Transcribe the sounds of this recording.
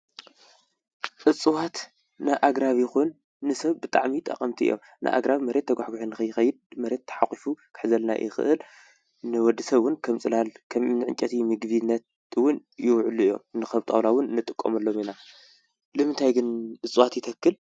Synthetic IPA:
ʔɨt͡sʼɨwat̪ | nɨʔaɡɾaβjɪxunː | ɨsɐβbɨt̪ʼa̰ʕmit̪ʼɐ̰qʼɐmt̪ʰiʔɨ̰jo̰m | nʔɨ̰ʔa̰ɡɾaβimɐɾe̞t̪ʰːɐɡʷaħɡuħunːɨxɐjːɪxɐjːɪd̪̚mɐɾe̞t̪ʰːɐ̥ħakʼifukʰɨ̥ħzɐlna̰ʔjʔɪ̰xɨ̰ʔɨl | nɨwɔd̪ːisɐβwʊnkʰɐmt͡sʼɨlalkʰɐmnɨʕɨ̰nt͡ʃʼɐt̪ʰimɨɡβinːɐt̪ | wʊnjɪwʕɨlijo̞̰mnɨxɐβt̪ʼɐ̰wlawʊnnːɨt̪ʼɨkʼːo̰mɐlːo̞mina | lɨmɨnt̪ʰajɡɨnʔɨt͡sʼɨwat̪jɪt̪ʰɐkːɨl

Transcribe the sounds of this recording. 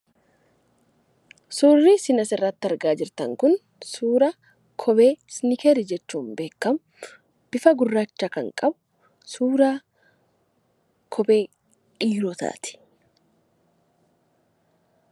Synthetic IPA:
suːrːisɪnɐsɪrːɐt̪ːɪɐɾɡaːd͡ʒɪɾt̪ɐŋkʊn | suːɾɐ | kʰɔbe̞ːsnɪkeɾɪd͡ʒɛt͡ʃːuːmbe̞ːkːɐm | b̥ɪfɐɡʊrːaːt͡ʃːakɐŋkʼɐbʊ̥ | suːɾaː | kʰɔbe̞ː | ʔiːɾɔt̪a̰ːt̪ɪ̥

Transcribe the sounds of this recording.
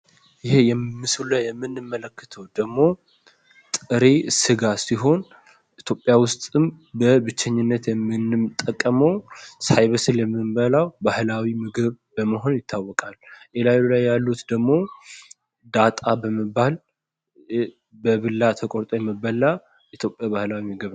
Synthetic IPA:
jɪhejɛːɨsulajɛmːɨnːɨmːələkːə̥t̪ʰəwd̪̥əɡmo̞ | t̪ʼɨɾesɨɡasiɦo̞n | ʔit̪ʰjo̞pʼjawʊst̪ʼɨmbəbɨt͡ʃːɛɲːɪnːət̪jɛmːɨnɨmt̪ʼːəkʼːəməwsajβəsɨljɛmːɨmbəlawbahlawimɨɡɨβbəməɦo̞njɪt̪ʰːawːɔkʼalʔelajulajːalːut̪d̪əɡmo̞ | d̪at̪ʼabəməbːal | bəβɨlːat̪ʰəkʼoɾt̪ʼojɛmːəbːəlːa | ʔit̪jo̞pʼjaβahlawimɨɡɨβ

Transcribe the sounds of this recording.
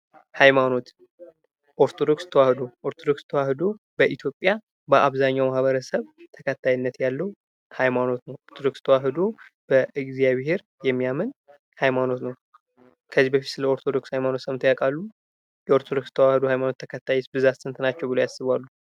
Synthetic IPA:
hajmano̞t̪ | ʔoɾt̪ʰod̪okst̪ʰəwahɨd̪o̞ʔoɾt̪ʰod̪o̞kst̪ʰəwahɨd̪o̞ | bəʔit̪ʰjo̞pʼja | bəʔaβzaɲːawmahβəɾəsəβt̪ʰəkʰət̪ʰːajinːət̪jalːəhu | hajmano̞t̪nəwʔoɾt̪ʰod̪o̞kst̪ʰəwaɦɨd̪ob̥əʔɨɡzjaβhe̞ɾ | jɛmːijamɨn | hajmano̞t̪nəw | kʰəzibəfit̪sɨləoɾt̪ʰo̞d̪o̞kshajmano̞t̪səmt̪ʰjakʼalːu | jɛo̞ɾt̪ʰod̪o̞kst̪ʰəwahɨd̪ohajmanot̪ʰːəkʰət̪ʰːajɛsbɨzat̪sɨnt̪ʰnat͡ʃːɛwbɨlojasːɨβalːu

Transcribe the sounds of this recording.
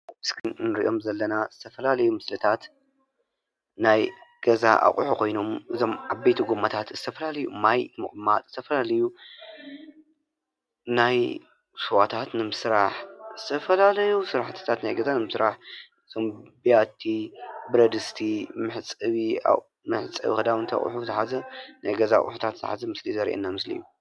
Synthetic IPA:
ɨskʰɨnnɨɾḭʔo̞mzɐlːɐnazɨt̪ʰɐfɐlalɐjumɨslɨt̪ʰat̪ | najɡ̥ɐza̰ʔa̰χʼħukʰo̞jno̞mʔɨzo̞maβbet̪ʰuɡomːat̪ʰat̪z̥ɨt̪ʰɐfɐlalɐjṵmajmɨ̰χʼmat̪z̥ɨt̪ʰɐfɐlalɐju | naj | suwat̪ʰat̪nɨmɨsɾaħzɨt̪ʰɐfɐlalɐjusɨɾaħt̪ʰɨ̥t̪ʰat̪najɡɐzanɨmɨsɾaħ | ɨz̥ʰo̞mbijat̪ʰibɨɾɐd̪ɨst̪ʰimɨħt͡sʼɨβia̰ | mɨħt͡sʼɨ̰βixɐd̪awɨnt̪ʰa̰χʼħut̪ħazɐnajɡɐza̰χʼħut̪ʰat̪zɨt̪ɐ̰ħazɐmɨslizɐɾʔḛnːamɨslḭjːu

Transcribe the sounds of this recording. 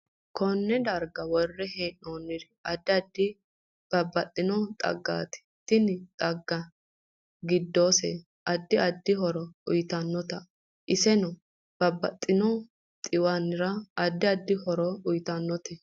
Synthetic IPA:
kɔnːɛd̪ɐɾɡɐwɔrːɛheːnːoːnːɪd̪ɛɐd̪ːɪɐd̪ːɪ | b̥ɐbːɐt̪ʼːɪnɔt̪ʼɐ̰ɡːa̰ːt̪ɪ̥t̪ɪnɪt̪ʼɐɡːɐ | ɡɪd̪ːoːsḛ | ʔɐd̪ːɪɐd̪ːɪɦɔɾɔʊjt̪ɐnːɔt̪ɐ | ʔɪsɛnɔ | b̥ɐbːɐt̪ʼːɪnɔ | t̪ʼɪwanɪɾɐɐd̪ːɪɐd̪ːɪhɔɾɔʊjt̪ɐnːɔt̪ɛ

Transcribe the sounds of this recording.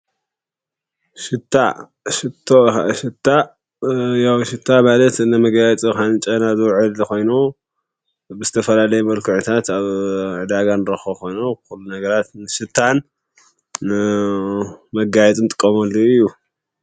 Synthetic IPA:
ʃɨt̪ːa̰ | ʃɨt̪ʰːoʃɨt̪ʰːa | jawʃɪt̪ʰːamalɐt̪ɨnɐmɐɡajɛt͡sʼikant͡ʃʼɐnazɨwʕɨlko̞jnu | bɨzɨt̪ʰɐfɐlalɐjumɐlkʰuʕnt̪ʰat̪aβʕɨd̪aɡanɨɾɐxoko̞jnoxulːunɐɡɐɾat̪nɨʃɨt̪ʰːan | mɐɡajɛt͡sʼɨnt̪ʼɨkʼːɐmɐlːoɨjːu

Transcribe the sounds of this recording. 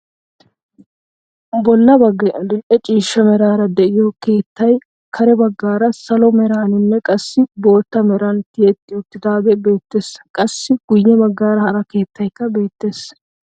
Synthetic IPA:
bɔlːɐbɐɡɐd̪ɪlʔɛt͡ʃʼiːʃːɐmɛɾaːɾɐd̪ɛʔɪjɔke̞ːt̪ːɐj | kʰɐɾɛbɐɡːaːɾɐsɐlɔmɛɾaːnɪnːɛkʼɐsːɪbo̞ːt̪ːɐmɛɾɐnt̪ɪjɛt̪ʼːɪʊt̪ːɪd̪aːɡ̪ɛbe̞ːt̪ːe̞ːsːɐ̥kʼɐsːɪɡ̥ʊjːɛbɐɡːaːɾɐhɐɾɐke̞ːt̪ːɐjkːɐbe̞ːt̪ːe̞ːs

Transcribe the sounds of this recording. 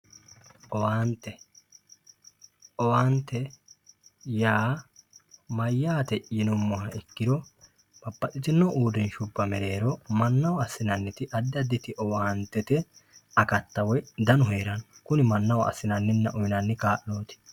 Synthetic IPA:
ʔɔwaːnt̪ːɛ | ɔwaːnt̪ːɛ | jaː | mɐjːaːt̪ɛʔjɪnɔmːɔhɐɪkːɪd̪ɔ | b̥ɐpːɐtɪt͡ʃ̪ɪnːɔʔuːd̪ɛnʃʊbːɐmɛɾe̞ːɾɔmɐnːɐwɐɐsːɪnɐnːɪt̪ɪʔɐd̪ːɪɐd̪ːɪt̪ɪʔɔwaːnt̪ːɛt̪ɛɐkɐt̪ːɐwɔd̪ɐnʊɦeːɾɐnkʊnɪmɐnːɐwɐɐ̰sːɪnɐnːɪnːɐʔɔjnɐnːɪkaːʔnoːt̪ɪ̥

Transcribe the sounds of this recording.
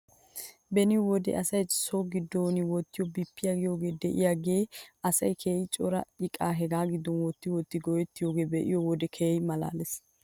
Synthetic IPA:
bɛnɪwɔd̪ɛ̰ʔɐsɐjsoɡɪd̪ːoːnɪwɔt̪ːɪjɔbipːɪjaɡɪjoːɡe̞ːd̪ɛʔɪ̰jaɡe̞ːʔɐsɐjkʰeːjɪt͡ʃʼɔɾɐ̰ɪkʼaːɦɛɡaːɡɪd̪ːɔnwɔt̪ːɪwɔt̪ːɪɡɔjɛt̪ːɪjoːɡe̞ːbɛʔɪjɔwɔd̪ɛkʰeːjmɐla̰ːlɛs

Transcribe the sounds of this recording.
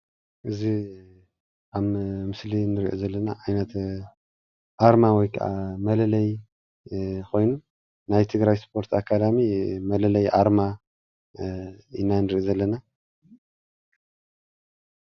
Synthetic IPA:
ʔɨzi | ʔammɨslinɨɾiʔozɐlːɐnaʔajnɐt̪ | ʔaɾmawɔjkʰɐ̰ʔamɐlɐlɐj | kʰo̞jnu | najt̪ʰɨɡɾajspʰo̞ɾt̪ʰakʰːad̪amimɐlɐlɐjʔaɾma | ɨnːanɨɾiʔozɐlːɐna

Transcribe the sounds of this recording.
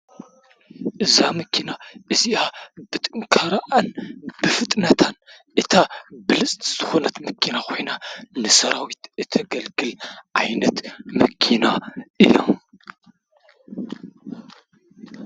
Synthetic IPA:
ʔɨzamɐkʰinaʔɨziabɨt̪ʼɨŋkʰaɾaʔanbɨfɨt̪ʼnɐt̪ʰan | ʔɨt̪ʰabɨlɨt͡sʼzɨxo̞nɐt̪mɐkʰinakʰo̞jnanɨsɐɾawit̪ɨt̪ʰɐɡɐlɡɨlʕa̰jnɐt̪mɐkʰinaʔɨjo̰m

